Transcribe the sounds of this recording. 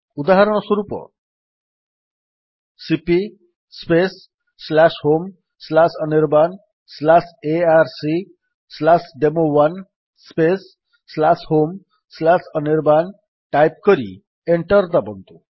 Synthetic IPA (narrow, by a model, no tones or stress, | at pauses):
ud̪aɦaɾɔɽ̃ɔswɔɾupɔ̰ | sipi | spesː | lashom | slasʌniɾban | slaseaɾsi | slasɖemowan | spesː | lashom | slasʌniɾban | ʈajp̚kɔɾḭ | eɳʈɔɾd̪abɔnt̪u